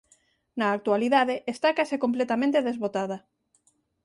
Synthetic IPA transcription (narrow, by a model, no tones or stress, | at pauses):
naːk̚t̪ualiðaðeʔest̪akasekomplet̪amẽnt̪eðezβot̪aðɐ